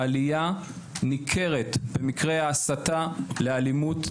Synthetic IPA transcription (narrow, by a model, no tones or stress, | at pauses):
alija | nikʰe̞ʁe̞tbe̞mikʁe̞aːsatalealimut